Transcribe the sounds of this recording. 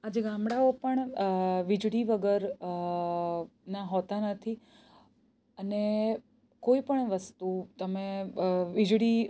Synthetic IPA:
ad͡ʒeɡamɽaopəɳʋid͡ʒɽiʋəɡəɾ | naɦot̪anət̪ʰi | əne | koipəɳʋəst̪ut̪əmeʋid͡ʒɽi

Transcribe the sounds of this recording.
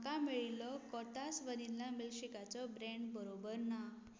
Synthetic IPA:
kamiɭilɔkɔt̪asʋəninlamilɕikat͡sɔbɾeɳɖbəɾobəɾna

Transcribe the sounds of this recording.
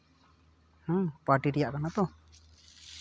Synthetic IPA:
hɔ̃paɾʈiɾɛjaʔkanat̪ɔ

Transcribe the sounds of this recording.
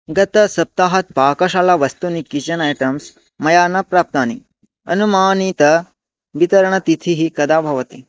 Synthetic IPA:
ɡɐt̪ɐsɐp̚t̪aːɦɐt̪̚paːkɐʃalaʋɐst̪unikit͡ʃɐnajʈɐms | mɐjaːnɐpɾaːp̚t̪aːnḭ | ɐ̰numaːnit̪ɐ | ʋit̪ɐɾɐɳɐt̪it̪ʰiɦikɐd̪aːbʱɐʋɐt̪i

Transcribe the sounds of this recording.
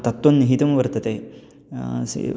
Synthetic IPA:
t̪ɐt̪ːʋɐnːiɦit̪ɐmɐʋɐɾt̪ɐt̪eː | s

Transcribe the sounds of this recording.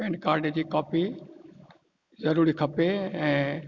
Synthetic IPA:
pẽːɳɖkaːɾɖd͡ʑiːkaːpi | zɐɾuːɾikʰɐpeɛ̃ː

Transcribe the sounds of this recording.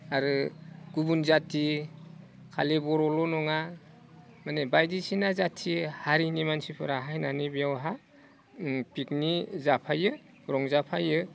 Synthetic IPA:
aɾɯɡ̥ubunzatʰi | kʰa̰libɔɾɔlɔnɔŋa | manebajdisinazatʰihaɾinimansipʰɯɾaɦajnanibijawɦa | pik̚nizapʰajɯ | ɾɔŋzapʰajɯ

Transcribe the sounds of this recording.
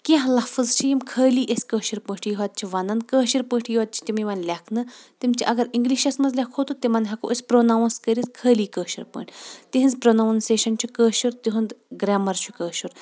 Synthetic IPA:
keɦlɐfɨzt͡ʃʰijimkʰəːliːʔɐsʲkəːʃiɾpə̃ːʈʰjiɦɐt̪̚t͡ʃʰiʋɐnɐn̚kəːʃiɾpəːʈʰjiʋɐt̪̚t͡ʃʰi̥t̪imiʋɐnlʲakʰnɨt̪imt͡ʃʰiʔɐɡɐɾiŋɡliʃɐsmɐzlʲakʰhot̪ot̪imɐnɦɐkoʔəsʲpɾonawnskəɾiskʰəːliːkəːʃiɾpə̰ːɳʈʰʲt̪iɦinzpɾonawnseːʃɐnt͡ʃʰikəːʃiɾt̪iɦund̪ɡɾaːmɐɾt͡ʃʰukəːʃuɾ

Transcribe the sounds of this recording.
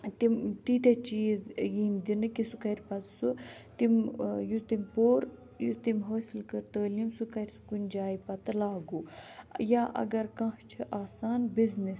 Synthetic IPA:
t̪imt̪it̪et͡ʃiːzjiːnd̪inɨkisukɐɾʲpɐt̪sut̪imjut̪imʲpoːɾ | juzt̪imɦəːsilkəɾt̪əːlimsukɐɾʲsu̥kunʲd͡ʒaːjipɐt̪ɨlaːɡujaːʔɐ̰ɡɐɾkɐ̃ht͡ʃʰiʔaːsaːnbiznis

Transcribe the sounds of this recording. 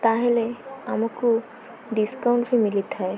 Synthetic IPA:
t̪aɦeleamɔku | ɖiskaʊɳʈbʱimilit̪ɦae

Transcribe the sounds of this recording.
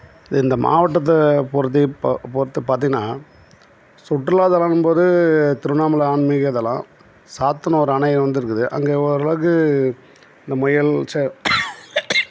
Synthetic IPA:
ɪðɪnd̪ɐmʔa̰ːʋɐʈːɐt̪̬ːɐpɔɾt̪̬ːipɔɾɯt̪ːɯpaːɾt̪ĩŋɡɐnaː | sʊʈːrɪlaːðɛlãːnɯmpoːðɯt̪ɪɾɯnaːmɐlɐaːɳmɪɣɐɐðɐlã̰ː | saːt̪ːɐnɐ̃ɔɾɯɐɳɐjɐʋɐnd̪ɪɾɯkːɯðɯʔɐ̰ŋɡeːɔɾɐɭɐʋkɯ | ɪnd̪ɐmʊjɐlt͡ʃɐ

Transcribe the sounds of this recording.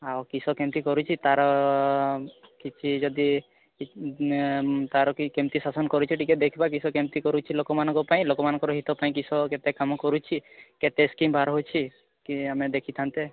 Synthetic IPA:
awkisɔkemt̪ikɔɾut͡ʃʰit̪aɾɔ | kit͡ʃʰid͡ʒɔd̪i | t̪aɾɔkkɛmt̪isasɔnkɔɾut͡ʃʰiʈikɛd̪ekʰibak̬isɔkemt̪ikɔɾut͡ʃʰilokɔmanɔ̃ŋkɔpaĩlokɔmanɔ̃ŋkɔɾɔɦit̪ɔpaĩkisɔket̪ekamɔkɔɾut͡ʃʰiket̪eskimbʱaɾɦot͡ʃʰi | kiamed̪ekʰit̪ʰant̪e

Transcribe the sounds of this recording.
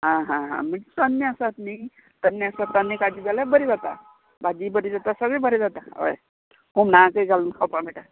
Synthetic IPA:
ɦãɦãɦã̰m̤əesənːəəsat̪ni | t̪ənːəəsat̪ːanːekad͡ʑiːd͡zaljabəɾid͡zat̪a̰ | bad͡ʑiːbəɾid͡zat̪asəɡɭebəɾid͡zat̪aə̰j | ɦumnakəiɡʱalunkʰawpaɭmeʈa

